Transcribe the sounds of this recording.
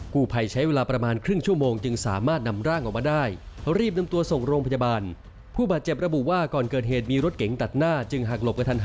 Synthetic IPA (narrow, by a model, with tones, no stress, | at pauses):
kuː˨˩pʰa˧jt͡ɕʰa˦˥jweː˧laː˧pɾa˧maː˧nkʰɾɯ˥˩ŋt͡ɕʰu˥˩əmoː˧ŋt͡ɕɯ˧ŋsaː˩˦maː˥˩t̪̚na˧mɾaː˥˩ŋʔɔː˨˩k̚maː˧daː˥˩jɾiː˥˩p̬̚na˧mt̪u˧ɐso˨˩ŋɾoː˧ŋpʰa˧jaː˧baː˧n | pʰuː˥˩baː˨˩t̪̚t͡ɕe˨˩p̚ɾa˧bu˨˩waː˥˩kɔː˨˩nkɤː˨˩t̪̚ɦeː˨˩t̪̚miː˧ɾo˦˥t̪̚ke˩˦ŋt̪a˨˩t̪̚naː˥˩t͡ɕɯ˧ŋɦa˨˩k̚lo˨˩p̚ka˧t̪ʰa˧n